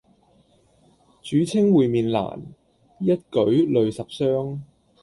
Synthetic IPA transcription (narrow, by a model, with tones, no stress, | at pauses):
t͡ʃyː˨˥t͡sʰɪ˥ŋwuː˨jmiː˨nla̰ː˨˩n | jɐ˥t̚kɵ˨˥ɥlɵ˨ɥsɐ˨p̚sœː˥ŋ